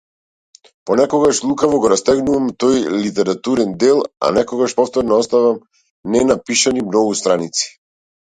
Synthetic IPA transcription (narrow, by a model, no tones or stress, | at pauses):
pɔnɛkɔɡaʃlˠukavɔɡɔɾast̪ɛɡnuvamt̪ɔjlit̪ɛɾat̪uɾɛnd̪ɛlˠa̰nɛkɔɡaʃpɔft̪ɔɾnɔɔst̪avam | nɛnapiʃanimnɔɡust̪ɾanit̪si̥